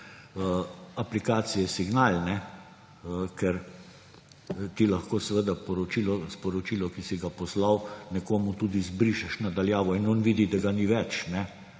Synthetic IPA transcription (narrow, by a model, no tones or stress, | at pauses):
əaplikaːt̪sijɛsiɡnalnɛ | kɛɾ | t̪ilaxkoːsʋəd̪apɔɾɔt͡ʃiːlɔspɔɾɔt͡ʃilɔkisiɡapɔslawnɛkoːmut̪uːd̪izbɾiʃɛʃnad̪aljaːʋɔinɔnʋiːd̪id̪aɡaniːʋɛt͡ʃnɛ